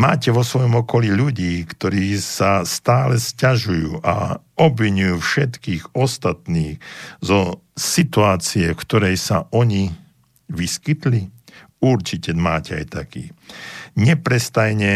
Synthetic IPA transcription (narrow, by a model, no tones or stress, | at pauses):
ma̰ːcɛʋɔsʋɔjɔmɔkɔliʎuɟiːkt̪ɔɾiːsast̪aːlɛscaʒujṵːʔa̰ɔbʋiɲujuːfʃɛt̪kiːɣɔst̪at̪niːxzɔ | sit̪uaːt͡siɛfkt̪ɔɾɛjsaʔɔɲi | ʋiskit̪li | uɾt͡ʃicɛmaːcɛa̰jt̪akḭːɲɛpɾɛst̪ajɲɛ